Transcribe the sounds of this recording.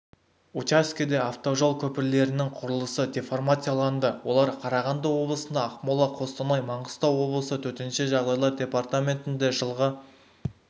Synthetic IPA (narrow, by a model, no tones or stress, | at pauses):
ut͡ʃaskʲed̪eaft̪o̞ʒo̞lˠkʲʰɵpɪɾle̞ɾɪnɪŋqʰʊɾəlˠəsəd̪ʲefo̞rmat̪ʲijalˠɑnd̪əwo̞̰lˠɑɾqʰɑɾɑʁɑnd̪ɑwo̞blˠəsənd̪ɑːqmolˠɑqʰo̞st̪ɑnɑjmɑɴəst̪ɑwo̞blˠəsət̪ʰɵt̪enʃɪʒɑʁd̪ɑjlˠɑɾdʲe̞part̪amʲe̞nt̪ɪnd̪e̞ʒəlˠʁə